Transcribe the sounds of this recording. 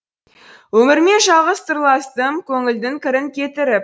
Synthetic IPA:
wɵmɪɾme̞nʒɑlˠʁəst̪ʰəɾlˠɑst̪əmkʲʰɵŋɪld̪ɪŋkʲɪɾɪŋkʲʰe̞t̪ɪɾɪp̚

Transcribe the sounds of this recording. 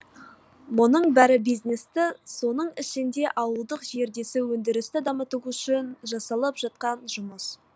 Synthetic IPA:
monəɴbæɾɪbijzne̞st̪ɪso̞nəɴɪʃɪnd̪e̞ʔɑwəlˠd̪əqʒe̞ɾd̪e̞sɪwɵnd̪ɪɾɪst̪ɪd̪ɑmət̪uwʏʃɪnʒɑsɑlˠəpʒ̥ɑt̪̚qɑnʒʊməs

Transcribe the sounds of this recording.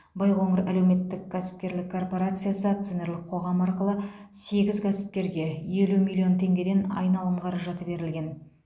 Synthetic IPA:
bɑjʁo̞ɴəɾæle̞wme̞t̪ːɪkkʲʰæsɪ̥p̚kʲe̞ɾlɪkʰːo̞rpo̞ɾat̪sɨjasət̪sene̞ɾlˠɪqʰːo̞ʁɑmɑɾqəlˠə | se̞ɡʲɪzkʰʲæsɪ̥p̚kʲe̞ɾɡʲe̞je̞lumʲilʲˠijo̞nt̪ʰe̞ŋɡʲe̞d̪e̞nɑ̰jnɑlˠəmqʰɑɾɑʒɑt̪əbe̞ɾɪlɡʲe̞n

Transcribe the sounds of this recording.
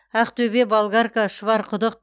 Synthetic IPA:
æqt̪ʰɵbebalˠɡɑɾkaʃəvɑɾqʰʊd̪əq̚

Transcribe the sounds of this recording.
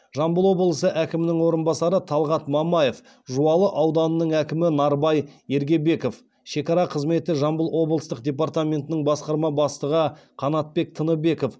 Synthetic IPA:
ʒɑmbəlˠwo̞blˠəsəʔækʲɪmɪnɪŋwo̞ɾənbɑsɑɾət̪ʰɑlˠʁɑt̪mɑmɑje̞f | ʒuɑlˠəʔɑwd̪ɑnənəɴækʲɪmɪnɑɾbɑje̞ɾɡʲe̞be̞ko̞f | ʃe̞kɑɾɑqʰəzme̞t̪ɪʒɑmbəlˠwo̞blˠəst̪əqd̪ʲe̞p̬aɾt̪amʲe̞nt̪ɪnɪŋbɑsqɑɾmɑbɑst̪əʁəqʰɑnɑt̪̚pe̞k̚t̪ʰənəbe̞ko̞f

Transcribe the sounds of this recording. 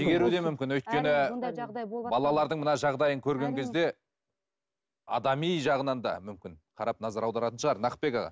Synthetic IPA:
ʒeɡʲe̞ɾud̪emʏmkʲɪnwɵjt̪̚kʲe̞nɪ | bɑlˠɑlˠɑɾd̪əɴmənɑʒɑʁd̪ɑjəŋkʲʰɵɾɡʲe̞ŋkʲʰe̞zd̪e̞ | ɑ̰d̪ɑmijʒɑʁənɑnd̪ɑ̰mʏmkʲɪnqʰɑɾɑp̚nɑzɑɾɑwd̪ɑɾɑt̪ənʃəʁɑɾnɑq̚pe̞kɑʁɑ̰

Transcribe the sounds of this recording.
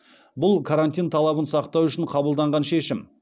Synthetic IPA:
bʊlˠkʰaɾant̪ʲijnt̪ʰɑlˠɑbənsɑqt̪ɑwʏʃɪɴqʰɑbəlˠd̪ɑɴʁɑnʃe̞ʃɪm

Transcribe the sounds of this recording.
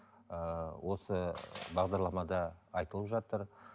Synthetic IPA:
əwʔo̞səbɑʁd̪ɑɾlˠɑmɑd̪ɑːjt̪əlˠəpʒɑt̪əɾ

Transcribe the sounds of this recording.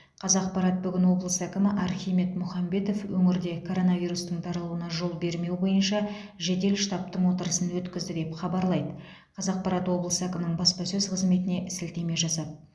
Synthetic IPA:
qʰɑzɑq̚pɑɾɑt̪̚bʏɡʲɪnwo̞blˠəsəækʲɪmɪʔɑɾχʲijme̞t̪mʊχɑmbe̞t̪o̞fwɵŋɪɾd̪e̞kʰo̞ɾo̞nɑvijɾust̪əɴt̪ʰɑɾɑlˠuənɑʒo̞lˠbe̞ɾme̞wbo̞jənʃɑ | ʒe̞d̪e̞lʃt̪ɑp̚t̪əɴwo̞t̪əɾəsənwɵt̪kʲɪzd̪ɪd̪e̞pχɑbɑɾlˠɑjd̪ə | qʰɑzɑq̚pɑɾɑt̪wo̞blˠəsəækʲɪmɪnɪɴbɑspɑsɵzqʰəzme̞t̪ɪne̞ʔɪsɪlt̪e̞me̞ʒɑsɑd̪̚

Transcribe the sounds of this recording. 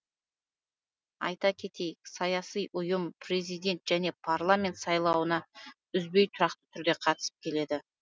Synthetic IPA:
ɑ̰jt̪ɑkʲʰe̞t̪e̞jɪksɑjɑsijʔʊjəmpre̞zijd̪e̞nt̪ʒ̥æne̞pʰarlˠamʲe̞nt̪sɑjlˠɑwənɑ | ʏzbe̞jt̪ʰʊɾɑqt̪ə̥t̪ʰʏɾd̪e̞qʰɑt̪ə̥sə̥p̚kʲʰe̞le̞d̪ɪ

